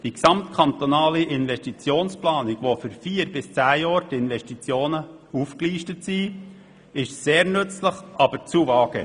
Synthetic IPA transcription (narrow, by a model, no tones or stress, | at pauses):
d̥iksɑmt̪kʰɑnt̪onɑːliʔɪnʋɛʃtit͡sjoːnsplɑːniɡ̥ʋofʏɾfiːəɾbɪst͡sæːjɑːɾtɪnvɛʃtit͡sjoːnə | ufkliːʃtətsi | ɪʃseːɾnɵt͡sləχʔɑb̥əɾt͡suvɑːɡə̰